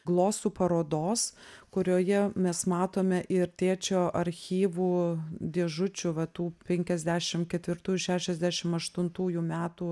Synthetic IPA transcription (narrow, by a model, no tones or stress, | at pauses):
ɡlˠoːsuːpɐɾoːd̪oːskʊɾʲoːjɛmʲɛsmɑːt̪oːmʲɛʔɪɾt̪ʲeːt͡ʃʲoːʔɐɾʲxʲiːʋuːd̪ʲeːʒʊt͡ʃʲʊʋɐt̪uːpʲɛŋʲkʲɛzʲd̪ʲæːʃʲɪmkʲɛt̪ʲʋʲɪɾt̪uːjuʃʲæːʃʲɛzʲd̪ʲæːʃʲɪmɐʃt̪ʊnt̪uːjumʲæːt̪uː